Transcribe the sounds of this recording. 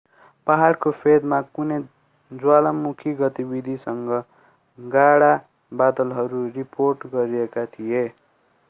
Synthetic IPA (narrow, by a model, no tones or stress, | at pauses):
paɦaɽkopʰed̪makune | d͡zwalamukʰiɡʌt̪ibid̪ʱisʌŋɡʌ | ɡaɽa | bad̪ʌlɦʌɾuriporʈɡʌɾiekat̪ʰije